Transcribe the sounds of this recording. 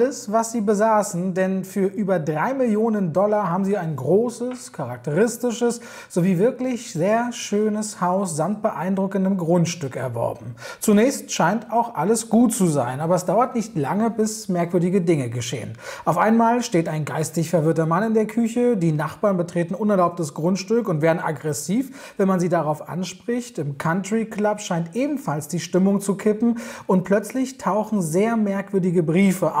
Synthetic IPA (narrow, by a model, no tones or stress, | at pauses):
ləsvasz̥iːbəzaːsn̩dɛnfyːɐʔyːbɐdʁaɪmɪljoːnəndɔlaɦaːbm̩ziːaɪnɡʁoːsəskʰaʁak̚təʁɪstɪʃəs | z̥oviːvɪɐklɪçz̥eːɐʃøːnəshaʊsz̥amt̚b̥əʔaɪndʁʊkəndəmɡʁʊntʃtʏkɛ̰ɐvɔ̰ɐbm̩t͡sunɛːçstʃaɪntaʊxʔaləsɡ̥uːtt͡suza̰ɪnʔaːbɐɛsd̥aʊɐtnɪçtla̰ŋəbɪsmɛɐkv̥ʏɐdɪɡədɪŋəɡəʃḛːə̰nʔaʊfʔaɪnmaːlʃteːtaɪnɡaɪstɪçfɛɐvɪɐtɐmanɪndeːɐkʰʏçədiːnaχb̥aːnbətʁ̥eːtn̩ʔʊnɛɐlaʊp̚təsɡ̥ʁʊntʃtʏkʊntvɛːɐdn̩ʔa̰ɡʁɛsiːf | vɛnmanziːdaʁaʊfʔa̰nʃpʁ̥ɪçtɪmkʰantʁ̥iklapʃaɪntʔeːbm̩falsd̥iːʃtɪmʊŋt͡sukʰɪpm̩ʔʊnt̚pʰl̥œt͡slɪçtʰaʊxn̩zeːɐmɛɐkv̥ʏɐdɪɡəbʁiːfəʔ